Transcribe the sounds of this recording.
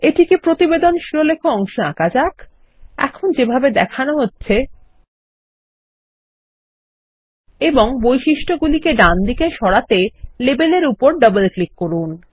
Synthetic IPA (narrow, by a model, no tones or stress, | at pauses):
eʈikipɾot̪ibed̪onʃiɾolekʰoɔŋʃoa̰kad͡ʑak | ɛ̰kʰond͡ʑebʱabed̪ɛkʰanoɦotːɕʰe | eboŋbojʃiʃʈʰoɡulikeɖand̪ʱikeʃɔɽat̪elebeleɾupoɾɖʌbelklikːoɾun